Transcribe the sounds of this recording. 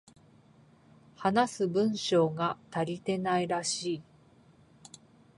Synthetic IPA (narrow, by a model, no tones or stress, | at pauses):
hanasɨbɯ̟̃ɰ̃ɕo̞ːɡat̪aɾʲit̪e̞naiɾaɕiː